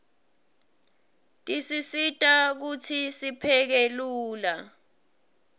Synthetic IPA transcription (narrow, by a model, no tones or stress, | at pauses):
tʼisisitʼak̬utʰisipʰɛk̬eluːla